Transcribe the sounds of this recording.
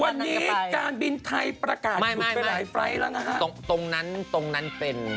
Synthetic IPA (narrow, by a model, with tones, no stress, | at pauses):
wa˧nːiː˦˥kaː˧nbi˧nt̪ʰa˧jpɾa˧kaː˨˩ma˥˩ja˥aː˨˩˦jfɾa˧jɾa˦˥ŋʔa˧˩ha˦˥o˧t̪o˧ŋna˦˥nt̪o˧ŋna˦˥npe˧n